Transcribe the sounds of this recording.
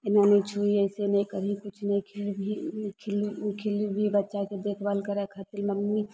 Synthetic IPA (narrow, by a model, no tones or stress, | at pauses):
ɪnanit͡ʃʰuiɛɪsenɐĩkəɾikʊt͡ʃʰnɐĩkʰlbʱikʰlkʰɪlibʱibɐtːʃaked̪eːkʰbalkəɾɛkʰat̪ɪlmɐmːi